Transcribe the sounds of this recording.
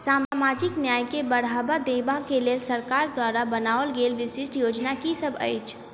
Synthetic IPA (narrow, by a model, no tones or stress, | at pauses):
saːmamaːd͡ʒɪknjaːjkebəɽ̤aːbad̪eːbakeleːlsəɾkaːɾd̪waːɾabənaːʋəlɡeːlʋɪsɪsʈʰjoːd͡ʒnakisəbʱə̰ɪt͡ʃʰ